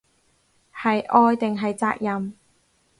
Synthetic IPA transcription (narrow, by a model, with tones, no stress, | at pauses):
hɐ˨jʔɔː˧jt̪ɪ˨ŋɦɐ˨jt͡saː˧k̚jɐ˨m